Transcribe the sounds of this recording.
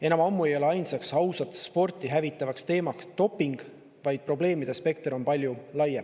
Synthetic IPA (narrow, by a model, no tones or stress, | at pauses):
e̞nɑmɑmːue̞jo̞le̞ɑjnsɑksɑwsɑt̪spo̞rt̪ʲˑiɦævit̪ːˑɑvɑkst̪e̞ːmɑkst̪o̞pːiŋɡ̥ | vɑjd̪̥̚pro̞ble̞ːmid̪̥e̞spe̞k̚t̪ɾo̞npɑlʲjulɑjːem